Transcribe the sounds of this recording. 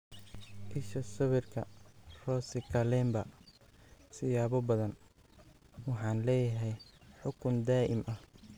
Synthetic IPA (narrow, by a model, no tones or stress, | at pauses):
ʔɪʃɐsɐβɪrkʰɐrɔːsɪkʰɐlɛːmbɐ | sɪjaːβɔbɐðɐn | wɑħɑːnlɛːjɐɦɛjħʊkʰʊnd̪aːʔɪ̰mʔɐh